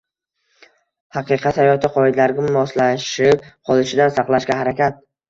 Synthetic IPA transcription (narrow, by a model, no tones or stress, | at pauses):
hɑqɨqʰɑt̪hajɒt̪ʰɪqʰɒɪd̪alaɾɡʲamɒslaʃɪp̚qʰɒlˠɪʃɪd̪ansɑqlˠaʃɡʲahaɾakʲat̪̚